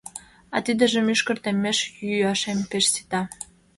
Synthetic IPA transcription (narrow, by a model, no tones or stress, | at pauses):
ɑ̰t̪id̪ə̆ʒə̆myʃkə̆rt̪ĕmːeʃjyɑʃempeʃsi̥t̪ɑ